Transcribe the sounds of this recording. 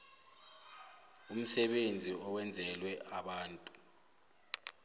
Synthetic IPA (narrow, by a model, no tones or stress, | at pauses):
um̩sɛɓend͡zʱiɔwɛnd͡zʱɛlwɛaɓaːntʼu̥